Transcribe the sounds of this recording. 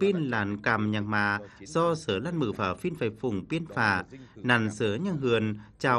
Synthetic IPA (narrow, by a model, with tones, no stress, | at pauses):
pi˧ənlaː˨˦nkaː˨˩mɲa˨˩ŋmaː˧˩zɔ˧səː˨˦laː˧nmɨ˧˩faː˨˩fi˧nfaː˨˩jfʊ˨˩ŋ͡mpi˧ənfaː˧˩na˨˩nsəː˨˦ɲa˧˩ŋɦɨ˨˩ənt͡ɕaː˨˩